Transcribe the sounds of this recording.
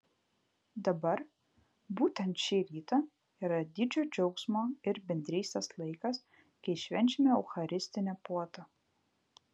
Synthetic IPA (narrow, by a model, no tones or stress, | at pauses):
d̪ɐbɐɾ | buːt̪ʲɛnt̪ʃʲiːɾʲiːt̪ɐ | iːɾɐd̪ʲɪd͡ʒʲoːd͡ʒʲɛʊksmoːɪɾbʲɛnʲd̪ʲɾʲiːsʲt̪ʲɛslˠɐɪkɐs | kɐɪʃʲʋʲɛnʲt͡ʃʲɪmʲɛɛʊxɐɾʲɪsʲt̪ʲɪnʲɛpuɔt̪ɐ